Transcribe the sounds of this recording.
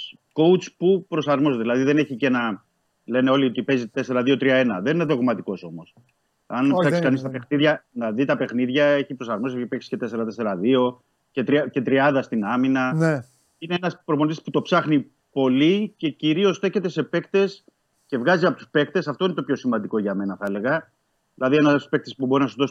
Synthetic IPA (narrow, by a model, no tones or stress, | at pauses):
ko̞ut͡spupɾo̞sɐɾmozet̪eðilɐðiðe̞ne̞çice̞nɐ | le̞ne̞o̞liot̪ipe̞zit̪e̞se̞ɾɐðio̞t̪ɾiɐe̞nɐðenineðo̞ɣmɐt̪iko̞so̞mo̞s | ɐnpsɐkiskɐnist̪ɐpexniðʝɐnɐðit̪ɐpe̞xniðʝɐe̞çipɾo̞sɐɾmos̬ieçipeksi̥ce̞t̪e̞se̞ɾɐt̪e̞se̞ɾɐðio̞ | cet̪ɾice̞t̪ɾiɐnd̪ɐst̪inɐminɐn | ineenɐspɾop̬onot̪isput̪o̞psɐxni | po̞lice̞ciɾio̞sθe̞çe̞t̪e̞se̞pe̞kt̪e̞s | ce̞vɣɐziɐpo̞t̪u̥spe̞k̚t̪e̞sɐft̪o̞inet̪o̞pço̞simɐnd̪iko̞ʝɐme̞nɐθɐle̞ɣɐ | ðilɐðienɐ̥spe̞k̚t̪espubo̞ɾinɐsuzðos